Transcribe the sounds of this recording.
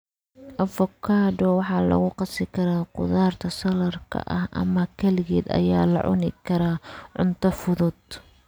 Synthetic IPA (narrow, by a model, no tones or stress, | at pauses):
ʔɐfɔkʰaːdɔwɑħɑːlɐ̰ɣʊqɑsɪkʰɐɾaːqʊ̰ðaːrt̪ʰɐsɐlɐrkʰɐ̰ʔɐ̰hʔɐ̰mɐkʰɐlɪɣɛːd̪ɐ̰jaːlɐ̰ʕʊ̰nɪkʰɐɾaːʕʊ̰nt̪ʰɐfʊðʊd̪